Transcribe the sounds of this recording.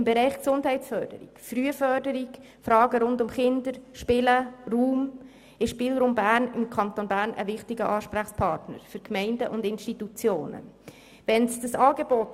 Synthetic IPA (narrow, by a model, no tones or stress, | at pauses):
mbɛɾɛɪχksʊnd̥ɦɛɪtt͡sfœːɾd̥ə̰ɾḭkfryːəfœɾdəɾiɡ | fɾɑːɡəɾʊndʊmχɪndəɾʃpɪləruːm | ɪʃpiːlɾuːmbæːrnɪmkʰɑnt̪onbæːɾnʔə̰vɪχtɪɡəʔɑːʃpɾæχspʰɑɾtnə̰ɾfʏɾkmɛɪndəʔʊndɪnʃtitut͡sjoːnə̰ | ʋɛnsd̥əsɑːɡebɔt